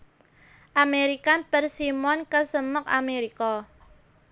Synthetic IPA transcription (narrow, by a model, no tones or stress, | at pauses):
ʔameɾikab̥ərsimɔnkəsəmək̚a̰meɾikɔ